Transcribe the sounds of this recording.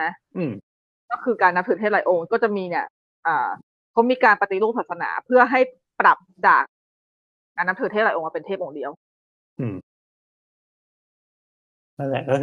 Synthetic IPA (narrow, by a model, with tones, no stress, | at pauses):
a˦˥ʔɯː˨˩m | kɔː˥˩kʰɯː˧kaː˧nːa˦˥mt̪ʰɯː˨˩t̪ʰeː˥˩la̰ː˨˩˦jʔo˧ŋkɔː˥˩t͡ɕa˨˩miː˧ni˥˩ɐ | ʔɤː˨˩ | kʰa˨˥wmiː˧kaː˧npa˧t̪i˨˦lu˥˩saː˨˩t̪̚sa˧na̰ː˩˦pʰɯ˥˩ɐɦa˥˩j | pɾa˨˩p̚daː˨˩k̚ː | aː˧nːa˦˥t̪ʰɯː˨˩t̪eː˥˩la˨˩ʔo˧a˧˩pe˧t̪ʰe˥˩p̚ʔoː˧˩ŋdi˧əw | ʔɯː˨˩m | a˥˩lɛ˨˧˩kɔ˥˩